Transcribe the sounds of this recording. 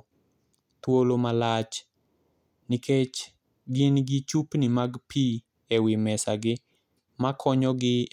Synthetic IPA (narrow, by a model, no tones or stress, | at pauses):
t̪wolomalat͡ʃ | nɪkʰet͡ʃ | ɡɪnɡɪt͡ʃupnɪmaɡpi | ɛwɪmɛsaɡɪ | makʰɔɲɔɡɪ